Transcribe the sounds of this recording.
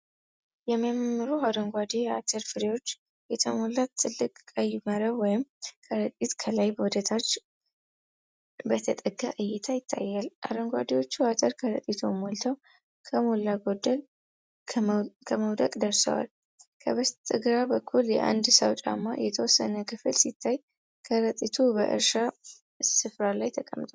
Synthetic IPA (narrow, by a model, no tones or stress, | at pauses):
jɛməmːɨɾuɦaɾəŋɡʷad̪ejɛat̪ʰəɾfɨɾewo̞t͡ʃː | jɛt̪ʰəmolːat̪ʰːɨlːɨkʼkʼəjːɪməɾəwɔjɪmkʰəɾət̪ʼit̪kʰəlajbəwɔd̪ət̪ʰat͡ʃː | bət̪ʰət̪ʼəɡaʔɨjːɛt̪ʰajɪt̪ʰːa̰jːalʔa̰ɾəŋɡʷa̰d̪ewo̞t͡ʃːuhat̪ʰəɾkʰəɾət̪ʼit̪ʰo̞̰molt̪ʰəw | kʰəmolːaɡo̞d̪ːəl | kʰəməwd̪əkʼd̪əɾsə̰wa̰l | kʰəβəst̪ʼɨɡɾabəkʰːuljɛ̰ʔa̰nd̪səwt͡ʃʼa̰mːa̰jɛt̪ʰəwɔsːənəkʰɨfɨlsit̪ʰːaj | kʰəɾət̪ʼit̪ʰubə̰ʔɨ̰ɾʃa | sɨfɾalajt̪ʰəkʼəmːt̪ʼo